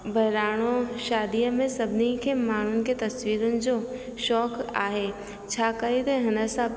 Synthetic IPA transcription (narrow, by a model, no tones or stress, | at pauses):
bʱɐjɾaːɽ̃oʃaːd̪ijəmẽsɐbnikʰemaːn̤ʊnɪ̆ket̪ɐswiːɾʊnɪ̆d͡ʒo | ʃɔːka̰ːɦe | t͡ʃʰaːkəid̪eɦɐnəsa